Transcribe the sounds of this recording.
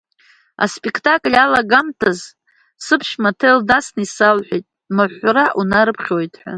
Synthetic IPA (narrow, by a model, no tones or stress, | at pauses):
a̰spʼekʰtʰʼakʼlʲalaɡamtʰaz | sɨpʰʃmatʰeldasnisalħʷᶣejtʼ | mɨħʷɾaʔunaɾɨpʰχʲojtʼʰħʷa̰